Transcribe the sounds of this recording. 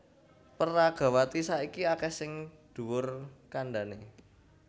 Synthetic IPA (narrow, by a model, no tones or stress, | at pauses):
pəraɡ̥ä̤wat̪isaikiakɛsɪŋd̪̥ṳwʊrkanɖa̤ne